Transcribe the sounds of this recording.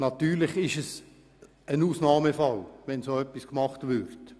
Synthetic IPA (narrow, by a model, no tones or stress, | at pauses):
nɑt̪yːɾlɪχɪʃəs | ənuːsnɑːməfɑlʋɛnsoːœpːiskmɑχtʋʏɾt